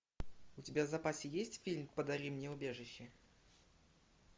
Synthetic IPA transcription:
ʊtʲɪbʲavzɐpasʲɪjesʲtʲfʲilʲmpəd̪ɐɾʲimnʲeʊbʲe̞ʐɨɕːɪ

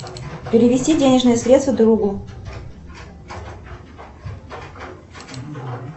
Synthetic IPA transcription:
pʲɪɾʲɪvʲɪsʲtʲidʲenʲɪʐnɨjəsɾʲet̪t̪vəd̪ɾuɡu

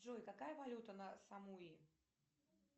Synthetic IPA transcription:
ʐojkɐkajəvɐlʲut̪ənəsɐmuji

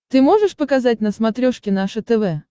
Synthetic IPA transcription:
t̪ɨmoʐɨʂpəkazatʲnɐsmat̪ɾʲɔʂkʲɪnaʂɨt̪ɛvɛ

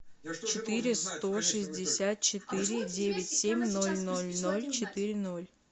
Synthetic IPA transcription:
t͡ɕɪt̪ɨɾʲɪst̪oʂɨzʲdʲɪsʲat̪̚t͡ɕɪt̪ɨɾʲɪdʲevʲɪtʲsʲemʲno̞lʲnolʲnolʲt͡ɕɪt̪ɨɾʲɪno̞lʲ

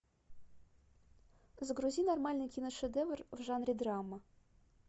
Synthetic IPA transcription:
zɡɾuzʲinormɑlʲnɨjkʲinoʃɘ̆d̪evrvʐɑnrʲid̪rɑmːə

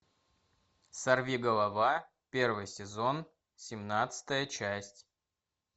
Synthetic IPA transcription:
sɐrvʲiɡəlˠɐva | pʲe̞rvɨjsʲɪzo̞n | sʲɪmnat̪sɨ̥t̪əjət͡ɕæsʲtʲ

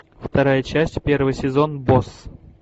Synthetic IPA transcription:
ft̪ɐɾajət͡ɕæsʲtʲpʲe̞rvəjsʲɪzo̞nbos

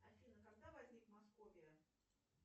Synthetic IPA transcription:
ɐfʲinəkɐɡ̚d̪avɐzʲnʲikmɐskovʲɪjə

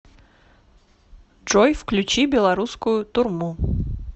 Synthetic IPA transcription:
ʐ̥ojfklʲʉt͡ɕibʲɪlˠɐɾuskʊjʊt̪ʊrmu

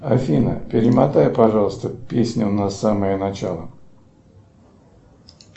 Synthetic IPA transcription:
ɐfʲinə̰pʲɪɾʲɪmɐt̪ajɪpɐʐɑlˠəst̪əpʲesʲnʲʊnɐsaməjənɐt͡ɕalˠə

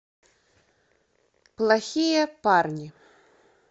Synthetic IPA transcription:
plˠaxʲijɐparnʲi

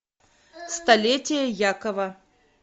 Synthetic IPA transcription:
st̪ɐlʲetʲɪjəjakɐvɐ

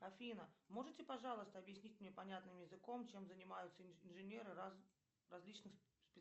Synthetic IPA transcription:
ɐfʲinəmo̞ʐɨtʲɪpɐʐɑlˠəst̪əɐbjɪsʲnʲitʲmnʲe̞pɐnʲat̪nɨmjɪzɨko̞mt͡ɕe̞mzənʲɪmajʊt̪səɪnʐɨnʲe̞ɾɨ | rɐzʲlʲit͡ɕnɨxspʲɪ

